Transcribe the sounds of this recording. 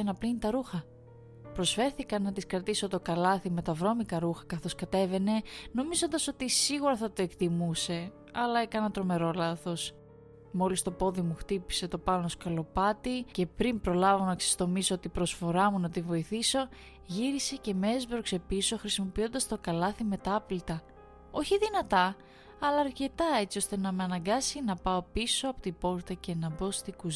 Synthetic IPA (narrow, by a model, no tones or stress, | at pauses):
enɐplinit̪ɐɾuxɐ | pɾo̞sfe̞ɾθikɐnɐt̪iskɾɐt̪iso̞t̪o̞kɐlɐθime̞t̪ɐvɾo̞mikɐɾuxɐ̥kɐθo̞skɐt̪e̞ve̞ne̞no̞mizo̞nd̪ɐso̞t̪isiɣuɾɐθɐt̪o̞e̞kt̪imuse̞ | ɐlɐe̞kɐnɐt̪ɾo̞me̞ɾo̞lɐθo̞s | mo̞list̪o̞po̞ðimuxt̪ipi̥se̞t̪o̞pɐnoso̥kɐlo̞pɐt̪ice̞pɾimpɾo̞lɐvonɐkse̥st̪o̞misoot̪ipɾo̞sfo̞ɾɐmunɐt̪ivo̞iθiso̞ | ʝiɾise̞ce̞mezbɾokse̞piso̞xɾisimo̞pio̞nd̪ɐst̪o̞kɐlɐθime̞t̪ɐplit̪ɐ | o̞çiðinɐt̪ɐ | ɐlɐːɾce̞t̪ɐe̞t͡sio̞st̪e̞nɐmeɐnɐŋɡɐsinɐpɐo̞piso̞ɐpot̪ibo̞ɾt̪ɐce̞nɐbo̞st̪iɡuz